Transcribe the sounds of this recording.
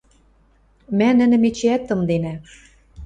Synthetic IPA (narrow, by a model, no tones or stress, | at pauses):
mænɘ̆nɘ̆met͡ɕeæt̪ːɤ̆md̪enæ